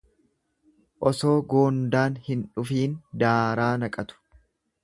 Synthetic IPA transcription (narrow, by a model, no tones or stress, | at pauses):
ʔɔso̞ːɡo̞ːnd̪aːnhɪnᶑʊfiːnd̪aːɾaːnɐkʼɐt̪ʊ̥